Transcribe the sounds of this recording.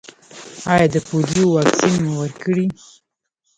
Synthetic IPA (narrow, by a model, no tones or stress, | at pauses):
ɑjɑd̪əpolijowɑksinmawəɾkəɽi